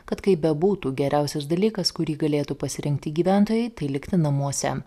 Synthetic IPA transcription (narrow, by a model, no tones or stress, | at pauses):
kɐt̪kɐɪbʲɛbuːt̪uːɡʲɛɾʲʔæˑʊsʲɛs̬d̪ɐlʲiːkɐskʊɾʲiːɡɐlʲeːt̪uːpɐsʲɪɾʲɪŋk̚t̪ʲɪɡʲiːʋʲæˑnt̪oːjɛɪt̪ɐɪlʲɪkt̪ʲɪnɐmuɔsʲɛ